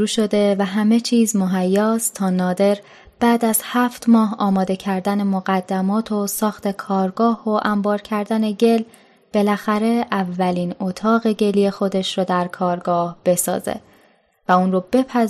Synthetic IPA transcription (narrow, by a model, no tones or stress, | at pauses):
ɾuːʃo̞d̪e̞væɦæme̞t͡ʃʰiːzmoɦæjːɒːstt̪ʰɒːnɒːd̪e̞ɾ | b̥æːd̪æz̥hæft̪mɒːɦɒːmɒːd̪e̞cʰæɾd̪æne̞moɣæd̪ːæmɒːt̪ʰo̞sɒːxt̪ʰe̞kʰɒːɾɡɒːhoʔæmbɒːɾcʰæɾd̪æne̞ɟe̞l | b̥e̞læxæɾe̞ʔævːæliːno̞t̪ʰɒːɣe̞ɟe̞lije̞xo̞d̪e̞ʃɾɔːd̪æɾkʰɒːɾɡɒːhb̥e̞sɒ̰ːzḛ | væuːnɾoːbe̞pʰæ